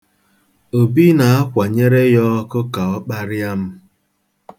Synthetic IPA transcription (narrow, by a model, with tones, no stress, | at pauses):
o˨bi˦na˨a˦kʷa˨ɲe˦ɾe˦jɔ˦kʊ˦ka˨ɔ˦k͡pa˦ɾɪ˦a˦m̩˦